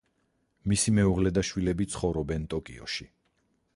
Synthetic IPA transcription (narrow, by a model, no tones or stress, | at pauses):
misimɛuʁlɛd̪aʃwilɛbit̪sʰχɔvɾɔbɛnt̪ʼɔkʼḭɔ̰ʃi